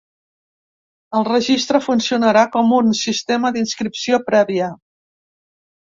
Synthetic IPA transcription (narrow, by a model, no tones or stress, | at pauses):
əlˠrəʒist̪ɾəfunsiunəɾakɔmunsist̪eməd̪inskɾipsiopɾɛβiə